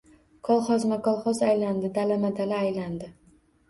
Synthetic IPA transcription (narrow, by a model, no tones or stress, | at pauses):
kʰɒlˠχɒzmakʰɒlˠχɒzajland̪ɪd̪alamad̪alaːjland̪ɪ